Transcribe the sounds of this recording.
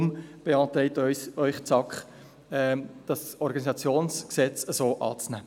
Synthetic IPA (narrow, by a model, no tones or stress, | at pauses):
mb̥eɑːt̪ɾɛɪtœʏχt͡sɑkχ | ɛd̥ɑsɔɾɡɑnizɑt͡sjoːnsksɛt͡səzoːʔɑːt͡snæː